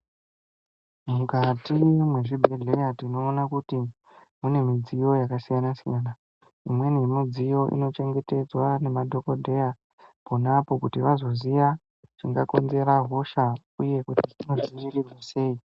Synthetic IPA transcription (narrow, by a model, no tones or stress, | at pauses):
mukatimwe̞ʐibʱe̞ɮe̞radino̞ːnakuti | mune̞mid͡zijo̞jakasijanasijaːna | imwe̞nemid͡zijo̞ʔḭno̞t͡ʃe̞ŋɡe̞te̞d͡zwane̞madʱo̞ko̞dʱe̞ja | ponapo̞kutiʋazo̞ziʋa | t͡ʃiŋɡako̞nze̞ɾaɦo̞ʃa | uje̞kutiino̞ziʋirirwase̞ːi